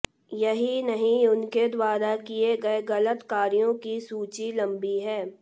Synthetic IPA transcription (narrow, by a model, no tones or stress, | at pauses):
jɐɦinɐɦĩʊnked̪waːɾakieɡɐeɣɐlət̪kaːɾijõkisuːt͡ʃilɐ̃mbiɦɛː